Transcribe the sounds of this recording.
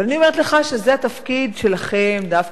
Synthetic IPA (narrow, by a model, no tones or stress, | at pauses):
lanio̞meet̪leχaʃezeat̪afkid̪ʃe̞laχe̞md̪af